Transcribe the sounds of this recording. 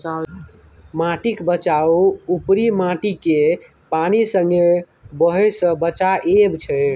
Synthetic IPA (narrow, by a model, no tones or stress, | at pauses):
a | mãʈikbət͡ʃauupɾimaʈike | panisəŋɡe | bəɦɛsə̃bət͡ʃaʔebt͡ʃʰɛ